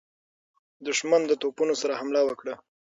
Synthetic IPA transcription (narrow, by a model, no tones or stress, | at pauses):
d̪ʊʃmand̪ət̪opunosaɾahamlawəkɽə